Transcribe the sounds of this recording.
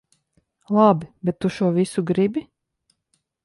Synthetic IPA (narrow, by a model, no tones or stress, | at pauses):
lˠɑbbɛt̪ːuʃuːvisuɡɾibi